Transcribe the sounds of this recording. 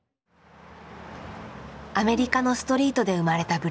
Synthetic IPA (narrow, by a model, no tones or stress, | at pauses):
ame̞ɾʲikano̞sɨ̥t̪o̞ɾʲiːt̪o̞d̪e̞ɯ̟maɾe̞t̪abɯ̟